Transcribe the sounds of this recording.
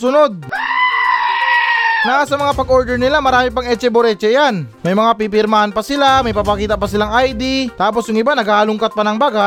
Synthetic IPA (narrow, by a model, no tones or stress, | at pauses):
sʊnod̪̚ | naas̬ɐmɐŋapɐɡʔoɾd̪ɛɾnɪlamɐɾaːmipaŋʔɛt͡ʃɛboɾɛt͡ʃɛjanmɐjmɐŋapip̬ɪɾmahanpɐsɪlamɐjpapɐkiːt̪apɐsɪlaŋʔajd̪it̪aːp̬o̞sjʊŋɪbanɐɡalʊŋkat̪̚pɐnɐŋbaːɡa